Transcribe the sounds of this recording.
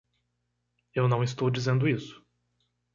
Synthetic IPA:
ewnɐ̃w̃ist̪owd͡ʒizẽnd̪ʊisʊ̥

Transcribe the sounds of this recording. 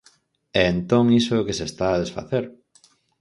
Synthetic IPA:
ɛːnt̪oŋisokesest̪aːð̞esfa̰θeɾ

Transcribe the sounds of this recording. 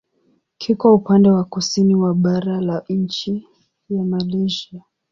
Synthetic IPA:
kʰikwaupandɛwakusiniwaɓaɾalaɲ̩t͡ʃi | jamaliʒia

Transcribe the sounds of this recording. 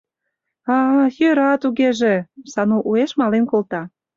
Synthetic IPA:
ɑjøɾɑt̪uɣeʒesɑnuʔueʃmɑlenkolt̪ɑ

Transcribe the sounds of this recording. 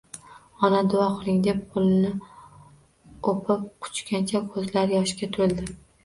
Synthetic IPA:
ɒnad̪ʊaχʊlˠɪŋd̪eppʰʊlˠɪnɪ | opʰɪp̚qʰʊ̥t͡ʃkʲʰant͡ʃʰakʰɵzlaɾjɒʃkʲat̪ʰʊɾɪld̪ɪ

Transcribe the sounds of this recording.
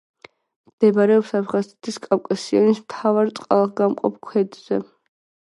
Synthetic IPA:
md̪̥ɛbaɾɛɔpsapʰʁazɛt̪ʰiskʼawkʼasianismt̪ʰavaɾt̪sʼqʼa̰lˠʁɡamqʼɔ̰p̚ʰkʰwɛd̪z̥ɛ

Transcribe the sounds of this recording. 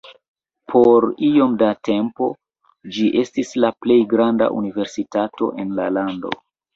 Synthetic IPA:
pʰo̞ɾio̞mdate̞mpo̞̰ | d͡ʒiʔe̞stislaple̞jɡɾanda̰ʔṵnive̞ɾsitato̞̰ʔe̞nla̰lando̞̰

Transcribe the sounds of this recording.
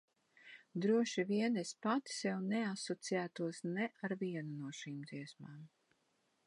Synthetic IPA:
d̪ɾuɔʃiviɛnɛspat̪i̥sjɛwneasɔt̪sijæːt̪uɔsnɛʔaɾviɛnunuɔʃiːmd̪ziɛsmaːm

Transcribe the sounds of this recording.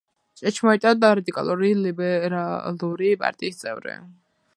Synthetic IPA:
t͡ʃʼɛt͡ʃʰmɔit̪ʼad̪aɾad̪ikʼa̰lˠuɾilibɛɾalˠuɾipʼa̰ɾt̪ʼiːst̪sʼɛ̰vɾḭ

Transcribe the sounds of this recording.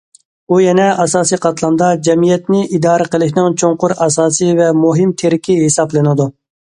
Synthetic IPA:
ujɛnɛɑsɑːsijqʰɑt̪lˠɑnd̪ɑd͡ʒɛmijɛt̪nɪʔid̪ɑːɾəqəlˠɪkʲnɪŋt͡ʃʰoŋqʊɾɑsɑːsɨvɛmuɦɪmt̪ʰeɾɪkʲiɦesɑblˠɨnɨd̪u

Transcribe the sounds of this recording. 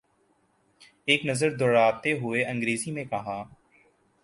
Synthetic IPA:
eːknəzəɾd̪ʱəɾaːt̪eːɦʊeːə̃ŋɡɾeːziːmẽːkəɦaː

